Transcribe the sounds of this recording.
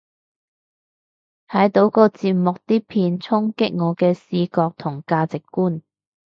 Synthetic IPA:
h̪ʰɐ˨˥jt̪o˨˧wkɔː˧t͡siː˨p̚mʊ˨k̚t̪iː˥pʰiː˨˧nt͡sʰʊ˥ŋkɪ˥k̚ŋɔː˨˧kɛː˧siː˧kɔː˧k̚t̪ʰʊ˨˩ŋkaː˧t͡sɪ˨kːuː˥n

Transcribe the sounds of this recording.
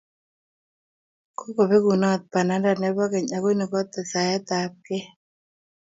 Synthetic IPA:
ko˦ko˨be˦ɡu˨nɔ˦˨t̪̚pa˨na˨˦nda˨nɛ˦bɔ˦kɛ˨ɲa˨ɡo˦ni˨kɔ˦t̪ːɛ˨sa˨jɛ˦t̪a˨p̚kɛ˦

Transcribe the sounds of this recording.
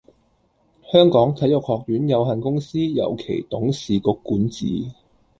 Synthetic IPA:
hœː˥ŋkɔː˨˥ŋt͡sʰɐ˨˥jʊ˨k̚hɔː˨k̚jyː˨˥njɐ˨˧wɦɐ˨nkʊ˥ŋsiː˥jɐ̰˨wkʰḛ˨˩jt̪ʊ˨˥ŋsiː˨kʊ˨˧˥kːuː˨˥nt͡sḭː˨˥

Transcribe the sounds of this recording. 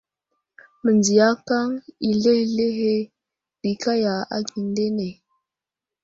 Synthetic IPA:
mə˨nd͡ʒi˨ja˦ka˦ŋi˨le˦hle˦ɦe˦ | b̥i˨ka˦ja˨a̰˦ɡi˨nde˦ne˨

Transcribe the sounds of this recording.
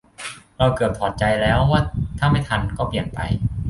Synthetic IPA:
ɾa˧wkɤː˨˩p̚t̪ʰɔː˨˩t̪̚t͡ɕa˧jlɛː˦˥wːaː˥˩t̪ʰaː˥˩ma˥˩jt̪ʰa˧nkɔː˥˩pli˨˩ənpa̰˧j

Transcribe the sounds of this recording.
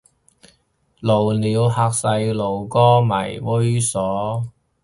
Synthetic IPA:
lo˨˩wniː˨˧wɦaː˧k̚sɐ˧jlo˨˩wkɔː˥mɐ̰˨˩jwo˥ɥsɔː˨˥

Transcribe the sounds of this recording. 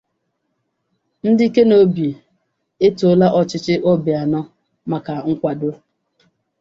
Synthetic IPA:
n̩˦dɪ˦i˦ke˦no˦bi˨e˨ | e˦tʊ˨ʊ˦la˦ʔɔ˦˨t͡ʃɪ˦t͡ʃɪ˦ʔo˦bɪ˨a˨nɔ˦ | ma˨ka˨ŋ̩˦kʷa˨dʊ˦

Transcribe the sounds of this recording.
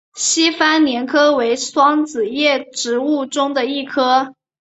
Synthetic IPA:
ɕi˥fa˥nnjɛ˧˥nkʰɤ˥we˧˥ɪswɑ˥ŋt͡sɹ̩˨˩jɛ˥˩ʈ͡ʂɻ̩˧˥u˥˩ʈ͡ʂʊ˥ŋd̪ə˨i˥˩kʰɤ˥

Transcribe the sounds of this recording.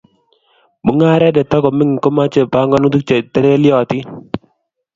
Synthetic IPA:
mu˨˦ŋa˦ɾɛ˦dɛ˨ta˦kɔ˨mi˦ŋi˨ko˦ma˦t͡ʃe˨pa˨˦ŋɡɔ˦nu˦tu˦k̚t͡ʃe˨tɛ˦ɾe˦lɪjɔ˨tɪ˦

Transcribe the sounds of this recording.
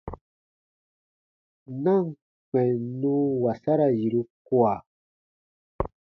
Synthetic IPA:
na˦ŋ | ke˨nu˦wa˨sa˦ɾa˨ji˨ɾu˦kwa˨

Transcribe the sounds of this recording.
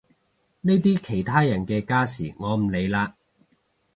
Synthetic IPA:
ne˥t̪̬iː˥kʰe˨˩jt̪ʰaː˥jɐ˨˩nkɛː˧kaː˥sḭː˨˩ŋɔː˨˧m̩˨˩le˨˧jlaː˧

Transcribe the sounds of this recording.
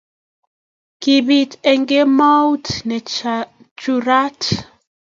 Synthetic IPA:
ki˨bi˨tɛ˨ŋɡe˦ma˦wtnɛ˨ | t͡ʃu˨ɾa˦t

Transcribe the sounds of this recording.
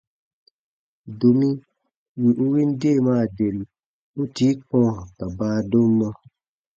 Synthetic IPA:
do˨mĩ˦ | wi˨ʔu˦wi˦n˦de˦˨maː˦˨de˨l | u˦ti˨˦k͡pɔ̃˦ka˨baː˦do˦mː˦a˦

